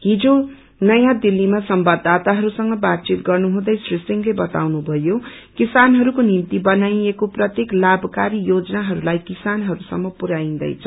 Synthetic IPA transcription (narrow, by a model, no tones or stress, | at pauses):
ɦid͡zo | nʌjãd̪ilːimasʌmbʌd̪ʱːat̪aɦʌɾusʌŋɡʌbat̪̚t͡sit̪ɡʌrnuɦũd̪ʌjsrisiŋlebʌt̪a̰wnubʱʌjo | kisanɦʌɾukonint̪ibʌnajekoprʌt̪jeklabkaɾijod͡zʌnaɦʌɾulajkisanɦʌɾusʌmːʌpuɾaind̪ʌ̰jt͡sʰʌ